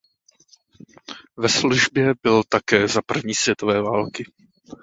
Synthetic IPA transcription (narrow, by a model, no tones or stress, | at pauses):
vɛsluʒbjɛbɪlt̪akɛːzapr̩vɲiːsvjɛt̪o̞vɛːvaːlkɪ